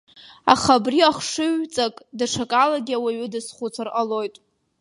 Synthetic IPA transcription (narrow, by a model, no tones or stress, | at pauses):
a̰χabriaχʷʂɨɥt͡sʼakʼdaʂʰakʼalaɡʲiawaɥʏdɨsχut͡sʰaralo̞jtʼ